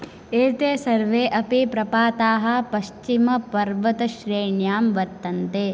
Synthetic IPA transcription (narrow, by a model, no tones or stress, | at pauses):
eːt̪eːsɐɾʋeːʔɐpipɾɐpaːt̪aːɦɐ̆pɐʃt͡ʃimɐpɐɾʋɐt̪ɐʃɾeːɳjaːmʋɐɾt̪ɐnt̪eː